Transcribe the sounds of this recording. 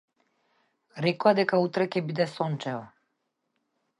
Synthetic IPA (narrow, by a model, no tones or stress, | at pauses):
ɾɛkɔad̪ɛkaut̪ɾɛcʲɛbid̪ɛsɔnt͡ʃɛva